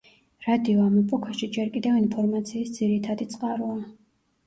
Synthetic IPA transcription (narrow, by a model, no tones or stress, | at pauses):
ɾad̪iɔamɛpʼukʰaʃid͡ʒɛɾkʼid̪ɛvinpʰɔɾmat̪sʰiːsd̪z̥iɾit̪ʰad̪it̪sʼqʼaɾua